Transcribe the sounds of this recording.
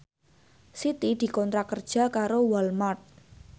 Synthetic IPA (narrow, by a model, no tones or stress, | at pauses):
sit̪id̪̥i̤kɔnt̪ɾakərd̥ʒ̥a̤kaɾowalmart̪̚